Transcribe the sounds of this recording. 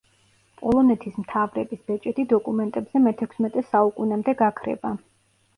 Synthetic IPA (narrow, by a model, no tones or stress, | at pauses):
pʼɔlˠɔnɛt̪ʰismt̪ʰavɾɛbisbɛt͡ʃʼɛt̪id̪ɔkʼumɛnt̪ʼɛbzɛmɛt̪ʰɛkʷʰsmɛt̪ʼɛsaukʼunamd̪ɛɡakʰɾɛ̰ba